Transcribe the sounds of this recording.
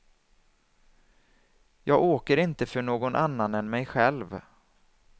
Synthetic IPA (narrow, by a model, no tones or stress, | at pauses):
jɑːɡoːkəɾɪnt̪əfœɳoːɡɔnʔanːanɛnmɛjɧɛlv